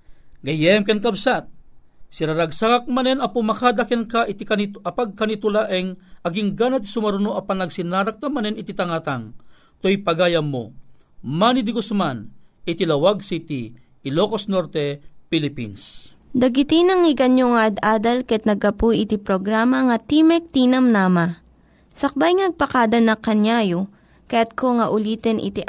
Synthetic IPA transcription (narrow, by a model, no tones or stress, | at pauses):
ɡɐjɛmkɛnkɐbsat̪̚ | siɾɐɾɐɡsakak̚mɐnɛnɐpumɐkad̪ɐkɛnkaʔit̪ikɐniɐpaɡ̚kɐnit̪olaʔɛŋɐɡiŋɡanɐt̪i̥sʊmɐɾʊnoʔɐpɐnɐɡsinaːɾɐk̚nɐmɐnɛnɪt̪it̪ɐŋat̪aŋ | t̪ojpɐɡaːjɐmːo̰ | manid̪iɡosmanit̪ilɐwaɡ̚sit̪iː | loːkosnoɾt̪ɛpilipḭns | d̪ɐɡɪt̪inɐŋɪɡɐnjoŋɐʔɐd̪ʔaːd̪ɐlkɐɛt̪̚nɐɡɐpujʔɪt̪ipɾoɡɾamɐŋɐt̪imɛk̚t̪inɐmnaːma | sɐk̚bajŋnɐɡ̚pɐkaːd̪ɐnɐkɐnjaːjo | kɐjat̪̚koŋɐʔʊliːt̪ɛnʔɪ̰t̪i